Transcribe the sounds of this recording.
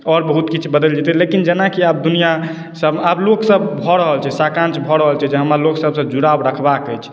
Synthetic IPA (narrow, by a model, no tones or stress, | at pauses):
ɔɾbəɦut̪kit͡ʃʰbəd̪əld͡ʒɛt̪ɛlekind͡ʒenakiap̚d̪unija | səbabloksəbbʱɔɾəɦəlt͡ʃʰɛsakãnt͡ʃbʱɔɾəɦəlt͡ʃʰɛd͡ʒeɦəmɾaloksəbsəbd͡ʒuɽabɾəkʰbakəjt͡ʃʰ